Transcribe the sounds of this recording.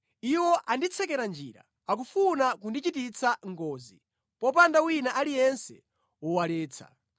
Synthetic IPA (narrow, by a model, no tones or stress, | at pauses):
iwɔʔandit͡sʰɛkɛɾand͡ʒiːɾa̰ | ak̬ufunakundit͡ʃitit͡sʰaŋɡɔːzi | pɔp̬andawinaʔalijɛnsɛ̰ | wɔwalɛːt͡sʰa̰